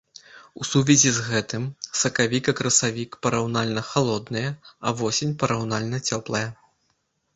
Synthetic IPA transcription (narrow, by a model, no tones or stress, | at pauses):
usuvʲizʲizɣɛt̪ɨmsɐkavʲikɐkɾɐsavʲikpɐɾawnalʲnɐxalˠɔd̪nɨjɐɐvɔsʲinʲpɐɾawnalʲnɐt͡sʲɔplˠɐjɐ